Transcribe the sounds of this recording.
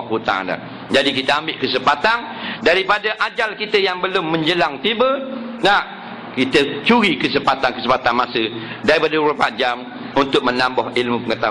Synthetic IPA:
kut̪a̰a̰na̰ | d͡ʒadikit̪əambɪʔkəsəpat̪an | daɾipadaʔad͡ʒalkit̪əjaŋbəlʊmːə̃ɲd͡ʒəlaŋt̪ibəna | kit̪ət͡ʃuɾikəsəpat̪ankəsəpat̪anmasə | daɾipadauɾapaʔd͡ʒam | unt̪ʊk̚mənambɔhilmupəŋət̪a

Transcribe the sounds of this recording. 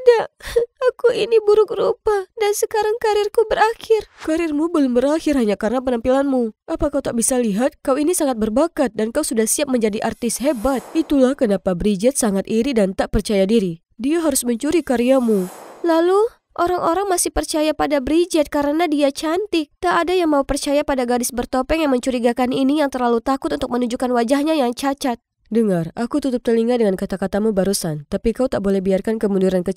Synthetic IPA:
daakuinibuɾʊk̚rupadansəkaɾaŋkaɾɪrkubəɾaxɪrkaɾɪrmubəlʊmbəɾahɪrɦaɲakaɾənap̬ənampilanmuʔapakawt̪aʔbisaliɦat̪̚kawinisaŋat̪̚bərbakat̪̚dankausudahsiap̚məɲd͡ʒadiʔart̪ɪshebat̪̚it̪ulahkənapabɾid͡ʒɛt̪̚saŋat̪iɾidant̪aʔpərt͡ʃajadiɾi | diaɦaɾʊsməɲt͡ʃuɾikaɾiamulalu | ʔoɾaŋʔoɾaŋmasɪhpərt͡ʃajapadabɾid͡ʒɛt̪̚kaɾənadiat͡ʃant̪ɪk̚t̪aːdajaŋmaupərt͡ʃajapadaɡadɪsbərt̪opɛŋjaŋməɲt͡ʃuɾiɡakaninijaŋt̪ərlalut̪akʊt̪unt̪ʊk̚mənuɲd͡ʒukanwad͡ʒahɲajaŋt͡ʃat͡ʃat̪̚ | dəŋarakut̪ut̪ʊp̚t̪ərliŋadəŋankat̪akat̪amubaɾusant̪apikaut̪aʔbolɛhbiarkankəmudiɾankə

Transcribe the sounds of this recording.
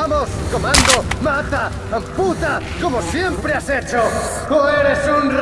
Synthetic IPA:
amoskomãnd̪omat̪a | aɱput̪a | komosje̞mpɾeaset͡ʃotueɾesunr

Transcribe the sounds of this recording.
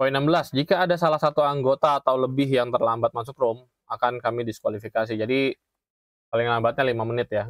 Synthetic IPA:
painambəlasd͡ʒikaːdasalahsat̪uaŋɡot̪aːt̪awləbɪɦjaŋt̪ərlambat̪̚mas̬ʊkrʊm | akankamidiskwalifikas̬id͡ʒadi | palɪŋlambat̪̚ɲalimamənɪt̪̚ja

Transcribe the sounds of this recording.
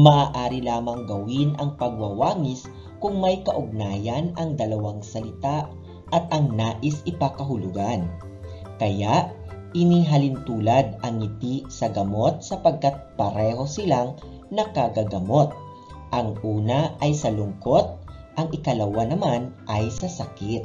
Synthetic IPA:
mɐʔaːʔaːɾɪlaːmɐŋɡɐwinʔɐŋpɐɡ̚wɐwaːŋɪs | kʊŋmɐjkɐʔʊɡ̚naːjɐnɐŋd̪ɐlɐwaŋsɐlɪt̪aʔ | ʔɐt̪̚ɐŋnaːʔɪsɪpakɐɦʊlʊɡan | kɐjaʔ | ɪniɦɐlɪnt̪uːlɐd̪ʔɐŋɪt̪isɐɡɐmo̞t̪̚sɐpɐɡ̚kat̪̚pɐɾɛɦo̞sɪlaŋ | nɐkɐɡɐɡɐmo̞t̪̚ | ʔɐŋʔuːnɐʔɐjsɐlʊŋko̞t̪̚ʔɐŋʔɪkɐlɐwanɐmanʔɐjsɐsɐkit̪̚

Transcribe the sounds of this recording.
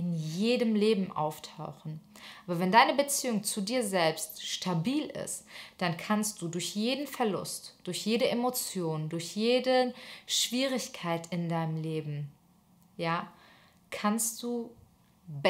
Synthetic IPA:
ɪnjeːdəmleːbm̩ʔa̰ʊftʰaʊxn̩ʔʔaːbɐvɛndaɪnəbət͡siːʊŋt͡sudiːɐzɛlpstʃtʰabiːlɪ̰std̥ankʰanst̚d̥uːdʊɐçjeːdn̩fɛɐlʊ̰std̥ʊɐçjeːɾəʔemot͡sjoːndʊɐçjeːdəʃv̥iːʁɪçkʰaɪtʰɪndaɪnəmleːbm̩ | jaː | kʰanst̚d̥uː | b

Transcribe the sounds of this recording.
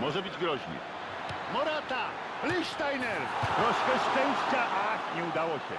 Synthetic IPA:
mʊɔʒɛbiɟɡɾɔʒnḭ | mɔɾat̪a | liʃt̪ajnɛɾpɾɔskɛst̪ɛnstaʔaɲɛud̪alɔcɛ̰

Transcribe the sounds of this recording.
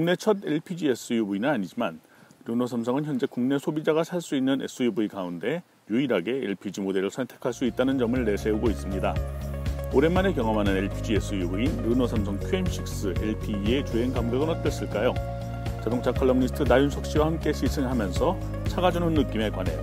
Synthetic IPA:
kuŋne̞t͡ɕʰʌde̞ɭpʰid͡ʑies͈ɯjubuinɯnaɲid͡ʑiman | ɾunosʰamsʰʌŋɯnçjʌnd͡ʑe̞kuŋne̞sʰobid͡ʑaɣasʰaɭs͈uinːɯne̞̰s͈ɯjubuikaunde̞ | juiɾɦaɡe̞ḛɭpʰid͡ʑimode̞ɾɯsʰʌntʰe̞̥kʰaɭs͈uit̚t͈anɯnd͡ʑʌmɯɭːe̞sʰe̞uɡois͈ɯmɲida | oɾe̞mane̞kjʌŋʌmɦanɯne̞ɭpʰid͡ʑies͈ʰɯjubuinɾɯnosʰamsʰʌŋkʰjuemɕ͈ʰik̚s͈ɯḛɭpʰiːe̞t͡ɕoe̞ŋɡamɡeɡɯnʌt̚k͈jʌs͈ɯɭk͈ajo | t͡ɕadoŋt͡ɕʰakʰʌɭːʌŋnisʰtʰɯnajunsʰʌk̚ɕ͈iwahamk͈e̞ɕʰisʰɯŋɦamjʌnsʰʌ | t͡ɕʰaɡad͡ʑunɯnːɯk͈ime̞kwane̞̰jo̰

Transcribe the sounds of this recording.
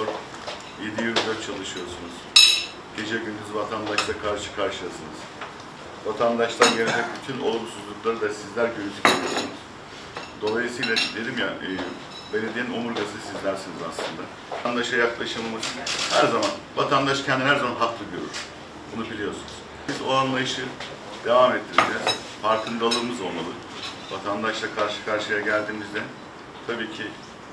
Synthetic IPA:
oɾ | jed̪ijyɾyzat͡ʃʰalˠɯʃɯjo̞ɾsunuz̥ | ɟ̥e̞d͡ʒɛɟynd̪yzvat̪ʰand̪aʃlˠakʰaɾʃɯ̥kʰaɾʃɯlˠasɯnɯz̥ | vat̪ʰand̪aʃt̪ˠanɟened͡ʒɛc̚ʲbit̪ʰyno̰lˠumsuzlˠuklˠaɾɯd̪asizlʲæɾɟynyzicelʲijo̞̰sunuz̥ | d̪o̞lˠajɯsɯjlˠad̪e̞d̪imjaː | bened̪einomuɾɡasɯsizlʲæɾsiniza̰slˠɯ̰nd̪a | and̪aʃajaklˠaʃɯlˠmɯzhæɾzaman | vat̪ʰand̪aʃcʰɛnd̪iɦæɾzamanɦak̪lˠɯɟøɾyɾ̥ | bunubilʲijo̞ɾsunuz̥ | izo̞anlˠajɯʃɯ | d̪e̞vamet̪ʰːiɾid͡ʒɛz̥ | faɾkʰɯnd̪alˠɯɾmɯzo̞lˠmalˠɯ | va̰t̪ʰand̪aʃlˠakʰaɾʃɯ̥kʰaɾʃɯjaɟælʲd̪iːmizd̪ɛ | t̪ʰabiːcʰi

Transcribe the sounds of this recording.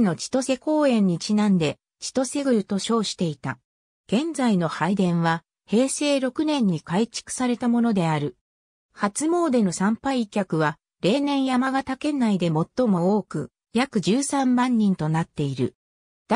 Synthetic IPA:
no̞t͡ɕi̥t̪o̞se̞ko̞ːẽ̞ɲ̟ːit͡ɕinãnd̪e̞ | t͡ɕi̥t̪o̞se̞ɡɯ̟ɾɯ̟t̪o̞ɕo̞ːɕi̥t̪e̞it̪a | ɡ̥ẽ̞nd͡zaino̞haid̪ẽ̞ɰ̃βa | he̞ːse̞ːɾo̞kɯ̟nẽ̞ɲ̟ːikait͡ɕi̥kɯ̟̥saɾe̞t̪amo̞no̞d̪e̞aɾɯ̟ | hat͡sɨmo̞ːd̪e̞no̞sãmpaikʲakɯ̟βa | ɾe̞ːnẽ̞ɰ̃jamaɡat̪ake̞naid̪e̞mo̞t̪ːo̞mo̞oːkɯ̟ | jakɯ̟ʑɨːsãmːãɲ̟ːĩnt̪o̞nat̪ːe̞iɾɯ̟̰̥

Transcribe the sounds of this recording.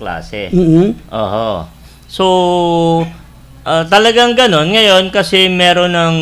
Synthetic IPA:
la̰ːsɛ̰m̩ʔo̰ːʔo | so | ʔɐːt̪ɐlɐɡaŋɡɐno̞nŋɐjo̞nkɐsɛmɛːɾo̞nɐŋ

